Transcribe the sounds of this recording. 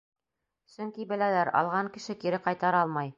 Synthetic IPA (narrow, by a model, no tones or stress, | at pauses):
sɵŋkibɘ̆lælæɾɑ̰lˠʁɑŋkɘ̆ʃɘkiɾɘqɑjt̪ɑɾɑlˠmɑj